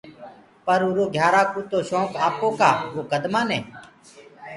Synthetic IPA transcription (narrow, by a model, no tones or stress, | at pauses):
pəɾuɾoːɡʱjaːɾaːkuːt̪oːʃõːkaːpõːkaːʋoːkəd̪maːnɛː